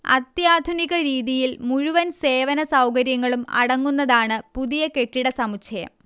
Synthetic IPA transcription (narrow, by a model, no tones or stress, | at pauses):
ɐ̰t̪jaːd̪ʱuniɣɐɾiːðijilmuɻuʋɐnse̞ːʋɐnɐsɐwkɐɾjɐŋːɐɭumɐ̰ɽɐŋːunːɐðaːɳɨpuðijɐke̞ʈːiɽɐsɐmut͡ɕʰɐjɐ̰m